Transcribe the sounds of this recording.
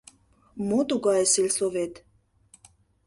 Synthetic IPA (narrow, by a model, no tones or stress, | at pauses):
mot̪uɣɑjsilʲsovet̪